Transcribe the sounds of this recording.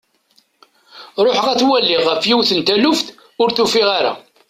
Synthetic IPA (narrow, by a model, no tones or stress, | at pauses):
ɾˤoħʁæθwælːɪʁəfjiwθənt̪ælʊfθ | ʊɾθufɪʁaɾa̰